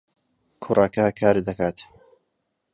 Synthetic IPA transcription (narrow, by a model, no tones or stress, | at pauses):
kʰʊɾˤʔaːkaːkʰaːɾid̪akaːt̪